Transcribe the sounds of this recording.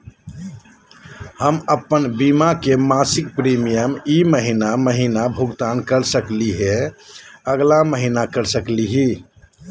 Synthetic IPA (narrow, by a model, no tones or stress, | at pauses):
həməpːənbimakemasik̚pɾimijəmiməɦinaməɦinabʱuɡt̪ankəɾsəkliɦe | əɡlaməɦinakəɾsəkliɦi